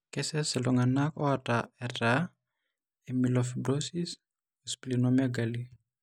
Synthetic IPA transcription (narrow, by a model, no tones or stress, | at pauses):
kɛsɛsɛlɔŋanakɔataɛɾa | emilɔfibɾosis | ɔsplinɔmaɡali